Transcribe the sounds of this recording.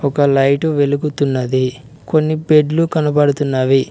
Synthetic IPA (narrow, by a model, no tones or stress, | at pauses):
ɔkɐlɐjʈuʋelukut̪unːɐd̪i | konːipeɖlukɐnɐpɐɽut̪unːaːʋi